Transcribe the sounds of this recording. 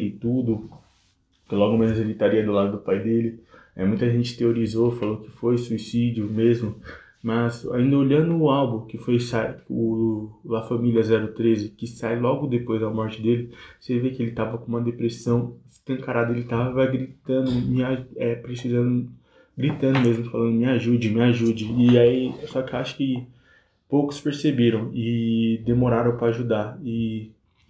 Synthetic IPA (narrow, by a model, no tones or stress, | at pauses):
ɪt̪ud̪ʊ | kɪlɔɡʊmenʊzelɪt̪aɾiɐd̪ʊlad̪ʊd̪ʊpajd̪elɪɛ̰mũj̃t̪ɐʒẽnt͡ʃɪ̥t̪eoɾizofalokɪ̥fojsuisid͡ʒiʊmezmʊ | mɐza̰ĩnd̪ɐoʎɐ̃d̪ʊːawbũkɪfojsajʊlafɐ̃milʲjɐzɛɾʊt̪ɾezɪkɪsajlɔɡʊd̪epojzɐmɔɾt͡ʃɪd̪elɪsevekɪelɪt̪avɐkõũmɐd̪epɾesɐ̃w̃ɪst̪ɐ̃kaɾad̪ɐelɪt̪avɐvaɡɾit̪ɐ̃d̪ʊmɪaɛpɾesizɐ̃nd̪ʊ | ɡɾit̪ɐ̃nd̪ʊmezmʊfalɐ̃nd̪ʊmɪaʒud͡ʒɪmɪaʒud͡ʒɪːaisɔkɪaʃʊ̥kɪ | powkʊ̥speɾsebiɾɐ̃w̃ɪd̪emoɾaɾɐ̃w̃pɾɐaʒud̪aɾɪ